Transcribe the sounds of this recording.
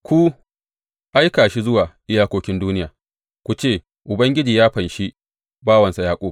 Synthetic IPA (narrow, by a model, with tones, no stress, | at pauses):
kʷu˦ | ʔa˦jkaː˨ʃi˦zʊ˦waː˨ʔɪ˦jaː˦kʷoː˦kʲɪ˦nduː˦nɪ˦jaː˨ | kʷu˨t͡ʃeː˦˨ | ʔʊ˨bɐ˦ŋɡʲɪ˦d͡ʒiː˨jaː˦ɸɐ˨nʃi˦ | baː˦wɐ˨nsa˨jaː˦kʷʼoː˦